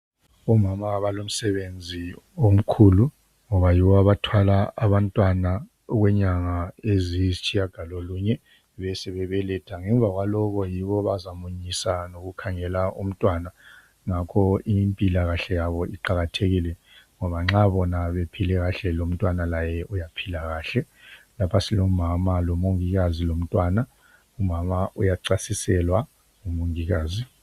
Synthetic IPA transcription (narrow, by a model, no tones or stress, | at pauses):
ɔmamaɣaβalom̩sɛβend͡zʱiom̩kʰulu | ŋɔβajiβɔaβatʰwalaaβantʼwana | ɣwɛɲaŋaezizit͡ʃʰʼijaɡ̥ʱaloluɲɛ | βɛsɛβɛβɛlɛtʰaŋɛɱbvʱaɣwalɔɣɔjiβɔβazamuɲisanoɣukʰaŋɛlaʔum̩tʼwana | ŋakʰɔimpʼilaɣaɬɛjaβɔʔiǃaɣatʰeɣilɛ | ŋɔβaŋ͡ǁaβɔnaβepʰilɛɣaɬɛlom̩tʼwanalajɛʔujapʰilaɣaːɬɛ | lapʰasilomamalɔmoŋiɣazilom̩tʼwana | umamaʔujaǀasisɛlwa | ŋumoŋiɣaːzi